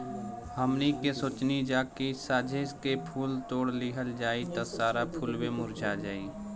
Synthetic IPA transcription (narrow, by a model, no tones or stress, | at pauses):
həmnikesoːt͡ʃnid͡ʒaːkisaːd͡ʒʱeskepʰuːlt̪oːɽliɦəld͡ʒaːit̪əsaːɾapʰuːlwemʊɾd͡ʒʱad͡ʒaːiː